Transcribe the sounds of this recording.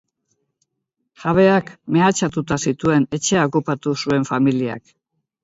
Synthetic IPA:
ʝaβ̞e̞akme̞at͡ʃat̪ut̪asit̪ue̞ne̞t͡ʃe̞aokupat̪usue̞ɱfamilia̰k

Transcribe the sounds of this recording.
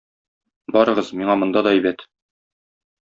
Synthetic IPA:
bɒɾɤ̆ʁɤzmiɴɑmŏnd̪ɑd̪ɒijbæt̪

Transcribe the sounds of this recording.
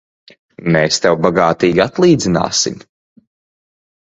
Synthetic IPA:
meːst̪ɛwbaɡaːt̪iːɡʲiat̪lˠiːd̪zina̰ːsḭm

